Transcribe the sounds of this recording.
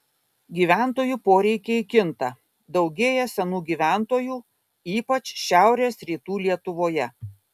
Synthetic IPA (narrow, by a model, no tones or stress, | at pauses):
ɡʲiːʋʲæˑnt̪oːjuːpoːɾʲɛɪkʲeɪkʲɪnt̪ɐ | d̪ɒʊɡʲeːjɛsʲɛnuːɡʲiːʋʲæˑnt̪oːjuː | iːpɐt͡ʃʃʲæˑʊɾʲeːsɾʲiːt̪uːlʲiɛt̪ʊʋoːjɛ